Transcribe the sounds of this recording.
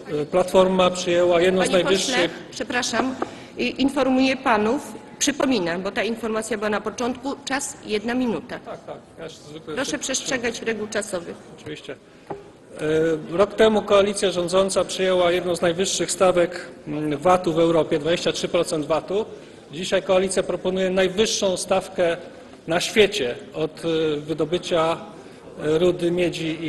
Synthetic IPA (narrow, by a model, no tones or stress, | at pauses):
plat̪fɔɾmapʂɨjɛwajɛd̪nɔ̃znajvɘɕʂːɘxpʂɛpɾaʂam | ʔinfɔɾmujɛpanufpʂɘpɔmʲinambɔt̪ainfɔɾmat̪sʲjabɘwanapɔt͡ʂɔnt̪kut͡ʂasjɛd̪namʲinut̪at̪ak̚t̪akjazvɘklɛɾɔʂɛpʂɛstʂɛɡat͡ɕɾɛɡuwt͡ʂasɔvɘɔt͡ʂɨvʲiɕt͡ɕɛ | ɾɔkt̪ɛmukɔalʲit̪sʲjaʐɔ̃nd̪zɔnt̪sapʂɘjɛwajɛd̪nɔ̃w̃znajvɘʂːɘxst̪avɛkvat̪uvɛwɾɔpʲjɛd̪vad͡ʑeɕt͡ɕatʂɘpɾɔt̪sɛnd̪vat̪u | d͡ʑiɕajkɔalʲit̪sʲjapɾɔpɔnujɛnajvɘʂːɔ̃w̃st̪afkɛ | naɕfʲjet͡ɕɛɔt̪vɘd̪ɔbɘt͡ɕa | ɾud̪ɘmʲjed͡ʑi